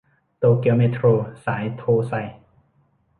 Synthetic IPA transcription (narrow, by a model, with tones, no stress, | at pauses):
t̪oː˧ki˧meː˧t̪ʰɾoː˧saː˩˦jt̪ʰoː˧˩sa˧j